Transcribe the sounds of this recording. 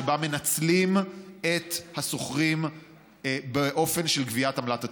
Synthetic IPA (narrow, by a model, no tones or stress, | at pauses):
bame̞nat͡slimet̪haso̞χʁim | beʔo̞fe̞nʃelkviatamlata